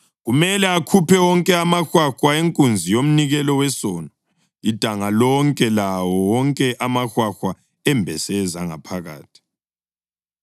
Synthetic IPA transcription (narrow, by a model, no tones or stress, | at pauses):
ɣumɛlɛakʰupʰɛwɔŋkʼɛamaxwaxwaeŋkʼund͡zʱijom̩niɣɛlɔwɛsɔːnɔ | id̥ʱaŋalɔŋkʼɛlawɔwɔŋkʼɛʔamaxwaxwa | ɛmbʱɛsɛzaŋa̰pʰaɣa̰ːtʰi̥